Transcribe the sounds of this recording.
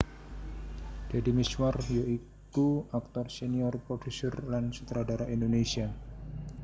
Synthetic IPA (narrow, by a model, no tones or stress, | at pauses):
d̥adimiswarjoi | kuak̚t̪ɔrseniɔrpɾofusɔrlansu̥t̪ɾadaɾaʔindonesia